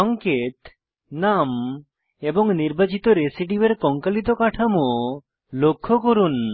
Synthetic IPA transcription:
ɔŋket̪ | nam | ebɔŋniɾbat͡ɕit̪oɾesiʈibeɾkɔŋkalit̪̬okaʈʰamo | lokʰːokoɾun

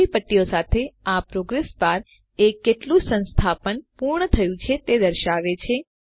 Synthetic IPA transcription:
ipəʈːijosat̪ʰeapɾoɡɾespaɾ | ekːeʈlũsə̃nst̪ʰapənpuɾɳət̪ʰəjũt͡ʃʰet̪ed̪əɾʃaʋet͡ʃʰe

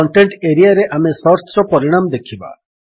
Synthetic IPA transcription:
ɔɳʈeɳʈeɾijaɾeʔamesɔɾtɾɔpɔɾiɽ̃amd̪ekʰiba̰

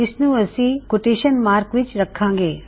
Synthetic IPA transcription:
ɪsnũːɐsĩkʊʈeːʃənmaːɾkʋɪt͡ʃɾɐkʰãːŋɡeː

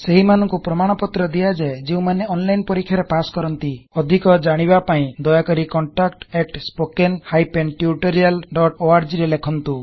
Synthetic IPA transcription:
seɦimanɔŋkupɾɔmaɽ̃ɔpɔt̪ɾɔd̪ijad͡ʒed͡ʒeũmaneɔnlajnpɔɾikʰːjaɾepaskɔɾɔnt̪iɔd̪ʱikɔd͡ʒaɽ̃iβapaĩd̪ɔjakɔɾikɔɳʈakʈekʈspokenhajpenʈjuʈɔɾijalɖɔʈoaɾd͡ʒiɾelekʰɔnt̪u

